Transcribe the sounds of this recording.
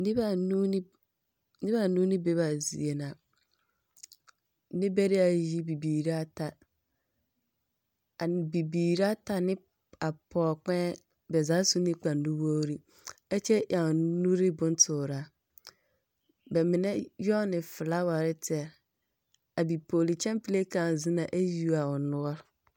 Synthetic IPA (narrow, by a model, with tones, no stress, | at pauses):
nĩ˦ba˨nũ˦ | nɪ˦ba˨nũ˦nɪ̃˦be˦ba˨zḭ˨e˨nã˨ | nɪ̃˦bɛ˦ɾi˦a˨ji˦bi˨biː˨ɾi˦a˦tʰa˨ | a˨bi˨biː˨ɾa˦tʰa˨nɪ̃˦ | a˨pʰɔː˨k͡pɛ̃˦ | bɛ˨zaː˨˦sũ˦nɪ̃˦k͡pã˨n˨dũ˦wo˦ɾi˦ | ɛ˦t͡ɕʰɛ˦ʔã˨nũ˦ɾɪ˦bʊ̃˦n˦tʰʊː˨ɾa˨˦ | bɛ˨mɪ̃˨nɛ̃˦jɔ˦nɪ̃˨fɪ˨la˦wa˨ɾɪ˦tʰɪ˦ɛ˨ɾ | a˨bi˨pʰoː˨li˨t͡ɕʰɛ̃˦mpi˦le˦kã˨n˨zɪ̃˦nã˨ʔe˦ju˦a˨wʊ˨nʊ̃˦ɔ˦